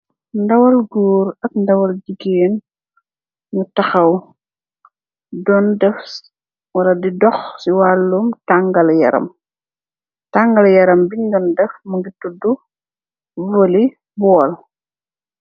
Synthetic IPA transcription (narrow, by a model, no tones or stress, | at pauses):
ndɐwɐlɡuːɾɐk̚ndɐwɐld͡ʒiɡeːn | mutɐxɐw | dɔndɛf | wɐlɐdidɔxsiwalːumtaŋɡɐljɐ̰ɾɐ̰m | taŋɡɐljɐɾɐmbiɲdɔndɛfmɐɡitudu | vɔli | bɔːl